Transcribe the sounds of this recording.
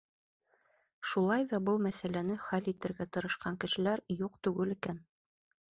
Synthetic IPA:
ʃulˠɑjðɑbɤlˠmæsælænɘχælit̪ɘ̆ɾɡæt̪ɤ̆ɾɤ̆ʃqɑŋkɘ̆ʃɘ̆læɾjuqt̪ɵ̆ɡɘlĭkæn

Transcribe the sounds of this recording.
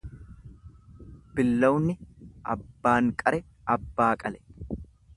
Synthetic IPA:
b̥ɪlːɐwʊnːɪʔɐ̰bːaːŋkʼɐɾɛ | ʔɐbːaːkʼɐlɛ

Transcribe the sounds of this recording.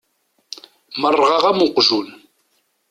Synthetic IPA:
mərˤːʁɑʁamuqʒun

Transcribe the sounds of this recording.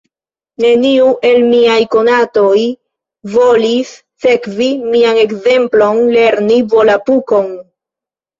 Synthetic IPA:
ne̞niuʔe̞lmiajko̞nato̞j | vo̞lis | se̞kvimiane̞kze̞mplo̞nle̞ɾnivo̞lapuko̞n

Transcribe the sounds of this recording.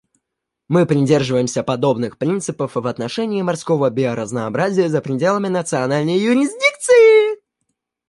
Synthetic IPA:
mɨpɾʲɪdʲe̞rʐɨvəjɪmsʲəpɐd̪o̞bnɨxpɾʲint̪sɨpəfvɐt̪nɐʂɛnʲɪːmɐrsko̞vəbʲɪɐɾəznəːbɾazʲɪjəzəpɾʲɪdʲe̞lˠəmʲɪnət̪sɨɐnalʲnəjjʊɾʲɪzʲdʲik̚t̪sɨjɪ

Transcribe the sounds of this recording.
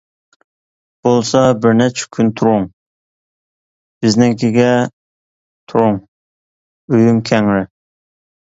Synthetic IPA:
b̥olˠsɑbɪɾnɛt͡ʃʰɪ̥kʲʰynt̪ʰuɾʊŋ | b̥ɪznɪŋkʲʰiɡʲɛ | t̪ʰuɾʊŋ | øjymkʲʰɛŋɾɪ

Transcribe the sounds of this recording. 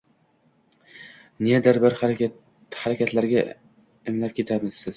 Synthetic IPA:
nijad̪aɾbaɾ | haɾakʲat̪ʰlaɾɡʲa | ɪmlap̚kʲe̞t̪ʰamɪz̥sɪz̥

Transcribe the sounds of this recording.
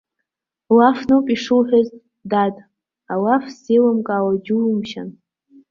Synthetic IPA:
lafnɨwpʼiʂɨwħʷᶣaztʼ | datʼ | awafselamkʼaːwad͡ʒuimʃa̰n

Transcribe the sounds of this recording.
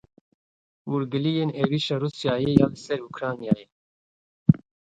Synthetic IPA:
wuɾɡɨlijeːneviːʃɑːɾuːsjɑːjejaːlɨsɛɾukɾɑːnijaːje

